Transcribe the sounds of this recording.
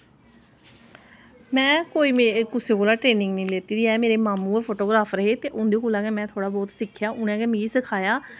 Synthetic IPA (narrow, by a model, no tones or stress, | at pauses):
mɛ̃ːkoːiːmekʊseːkoːlaːʈɾeːnɪ̃ŋɡnəĩːleːt̪iːd̪iːɛːmeːɾeːmaːmũːepʰoːʈoːɡɾaːfʰɾəɦeːt̪eːʔʊnd̪eːkoːlãːɡɛːmɛ̃ːt̪ʰoːɽaːbɔːt̪sɪkʰːjaːʔʊnɛ̃ːɡɛːmiːsəkʰaːjaː